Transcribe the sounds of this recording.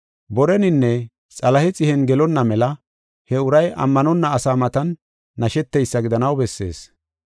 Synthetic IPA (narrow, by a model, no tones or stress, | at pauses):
bɔɾɛnɪnːɛ | t͡sʼɐlɐhɛt͡sʼɪhɛnɡɛlɔnːɐmɛlɐ | hɛʊɾɐjʔɐ̰mːɐnɔnːɐːsaːmɐt̪ɐnː | ɐʃɛt̪ːɛjsːɐɡɪd̪ɐnɐwbɛsːḛːs